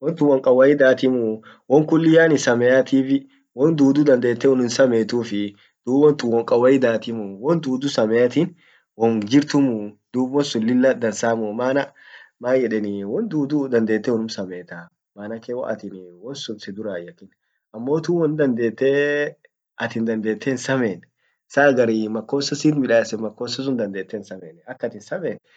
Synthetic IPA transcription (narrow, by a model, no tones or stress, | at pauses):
wɔnt̪ʊwɔŋkʼɐwɐjɪd̪aːt̪ɪmʊ | wɔŋkʊlːɪjaːnɪsɐmɛjat̪iːfɪ | wɔnd̪uːd̪ʊd̪ɐnd̪eːt̪ːɛwɔnʊnsɐmeːt̪uːfɪ | d̪̥uːbɔnt̪ʊwɔŋkʼɐwɐjɪd̪aːt̪ɪmʊwɔnd̪uːd̪ʊsɐmɛjat̪ɪn | wɔnd͡ʒɪɾt̪ʊmʊd̪̥uːbwɔnsʊlːɪlːɐd̪ɐnsaːmʊmaːnɐmaːjɛᶑɛnɪwɔnd̪uːd̪ud̪ɐnd̪e̞ːt̪ːɛwɔnʊmsɐmeːt̪a | maːnɐkewɔʔɐ̰t̪ɪnwɔnsʊnsɛd̪ʊɾaːjɐkːɪn | ʔɐmːo̞ːt̪uːwɔnd̪ɐnd̪e̞ːt̪ːeː | ɐt̪ɪnd̪ɐnd̪e̞ːt̪ʰːɛnsɐmeːn | saːɡɐɾimɐkːoːsɐsiːt̪mɪᶑaːsɛmɐkːoːsɐs̬ʊnd̪ɐnd̪eːt̪ːɛnsɐmeːnɛɐkːɐt̪ɪnsɐmeːn